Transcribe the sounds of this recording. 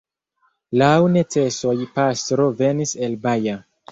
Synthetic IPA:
lawnet͡seso̞jpastɾove̞niselbaja

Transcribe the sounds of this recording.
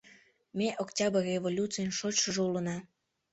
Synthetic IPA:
mʲeʔoktʲɑbərevolʲut͡sɨjənʃot͡ɕʃəʒeulənɑ

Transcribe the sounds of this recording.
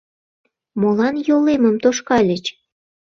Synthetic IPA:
molɑnjoleməmt̪oʃkɑlʲət͡ɕ

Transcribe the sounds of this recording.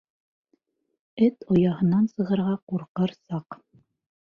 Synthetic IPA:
ɘt̪ojɑɦɤ̆nɑnsɤ̆ʁɤ̆ɾʁɑquɾqɤɾsɑq

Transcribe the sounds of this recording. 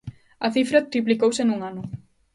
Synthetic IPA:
ɐθifɾɐt̪ɾiplikowsenuŋanʊ

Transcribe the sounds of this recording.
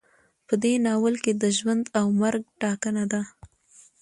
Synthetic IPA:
pəd̪enɑwəlked̪əʒwand̪awmaɾɡ̚ʈɑkənad̪a

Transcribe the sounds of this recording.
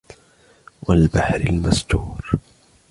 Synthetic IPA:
walbaħɾɪlmast̪uːɾ

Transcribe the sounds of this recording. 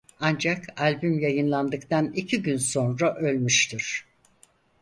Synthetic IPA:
and͡ʒakʰalʲbymjajɯnlˠand̪ɯkt̪anicʰiɟynso̞nɾaʔølʲmyʃt̪ʰiɾ̥

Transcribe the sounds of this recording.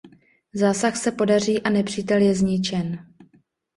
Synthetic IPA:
zaːsaxsɛpo̞dar̝iːʔanɛpr̥iːt̪ɛljɛzɲɪt͡ʃɛn

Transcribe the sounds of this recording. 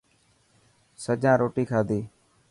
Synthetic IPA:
səd͡ʒãːɾoːʈiːkʰaːd̪iː

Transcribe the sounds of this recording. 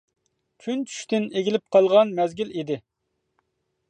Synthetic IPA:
kʲʰynt͡ʃʰy̥ʃt̪ɪneɡʲilɪp̚qʰɑlˠʁɑnmɛzɡʲilid̪ɪ

